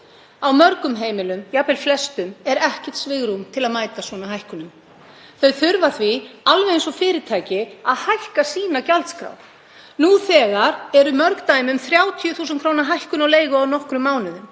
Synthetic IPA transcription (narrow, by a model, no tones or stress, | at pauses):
awmœɾkʏmɦeːjmɪlʏmjapɛlflɛst̪ʏmɛɾɛhcɛ̥t̪svɪɣɾumt̪ʰɪlaðmaːjt̪asvɔːnaɦajhkʏnʏm | θœɥθʏɾvaθvialvɛɪnsɔfɪːɾɪt̪ʰaːjcɪaðhajhkasiːnacalt̪skɾa̰w | nuθɛːɣaɾɛɾʏmœɾkt̪aːjmʏmθɾjaːwt̪ʰjʏθuːs̬ʏnkʰɾoːwnaɦajhkʏnawleːjɣʏawnɔhkɾʏmːaːwnʏðʏm